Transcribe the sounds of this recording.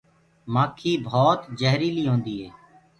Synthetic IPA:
maːkʰːiːbʱoːt̪d͡ʒəɦɾiːliːɦõːnd̪iːɦeː

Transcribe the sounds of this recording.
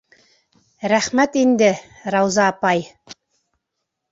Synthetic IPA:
ɾæχmæt̪ind̪ɘ | ɾɑwzɑːpɑj

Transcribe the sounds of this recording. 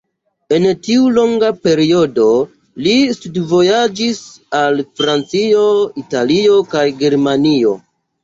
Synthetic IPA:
e̞ntiulo̞ŋɡape̞ɾio̞do̞ | listudvo̞jad͡ʒisalfɾant͡sio̞italio̞kajɡe̞ɾmanio̞

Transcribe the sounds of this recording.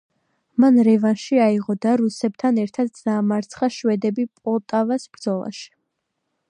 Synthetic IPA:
manɾɛvanʃiaiʁɔd̪aɾusɛb̚t̪ʰanɛɾt̪ʰad̪d̪aːmaɾt̪sʰχaʃwɛd̪ɛbipʼɔt̪ʼavasbɾd̪zɔlˠa̰ʃi̥

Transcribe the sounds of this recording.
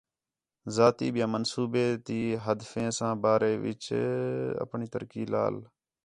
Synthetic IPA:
zaːt̪iːɓɪjãːmənsuːbeːt̪iːɦəd̪fẽːsãːbaːɾeːʋɪ̰t͡ʃ | ə̰pɳiːt̪əɾkiːla̰ːl

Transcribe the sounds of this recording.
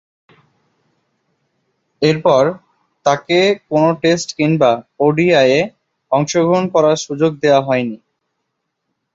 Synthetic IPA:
eɾpɔɾ | t̪akekonoʈesʈkiŋbaoɖiaje | ɔŋʃoɡʱɾonkɔɾaɾʃud͡ʑoɡ̚d̪ewaɦɔeni

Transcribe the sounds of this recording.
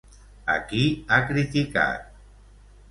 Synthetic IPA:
a̰kiakɾit̪ika̰t̪̚

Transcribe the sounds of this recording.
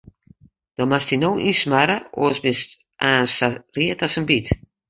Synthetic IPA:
d̥ɔmastinoːʔismaɾəo̰əsbɪst | aːnsariətɔsənbit

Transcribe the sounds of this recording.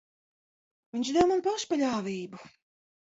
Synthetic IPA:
vʲiɲʲʃd̪ɛwmanpaʃpalʲaːvʲiːbu

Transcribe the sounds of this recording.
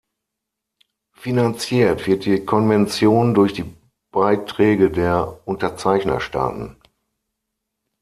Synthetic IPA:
finant͡sjiːɐtv̥ɪɐt̚d̥iːkʰɔnvɛnt͡sjoːndʊɐçd̥iː | b̥aɪtʁ̥ɛːɡədeːɐʔʊntɐt͡saɪçnɐ̰ʃta̰ːtn̩

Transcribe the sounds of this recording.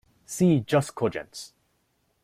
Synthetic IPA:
siːd͡ʒʌskʰɔd͡ʒə̰̃ns

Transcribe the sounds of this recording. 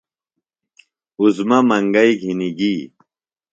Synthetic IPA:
uzmɐmɐŋɡɐjɡʱiniɡiː

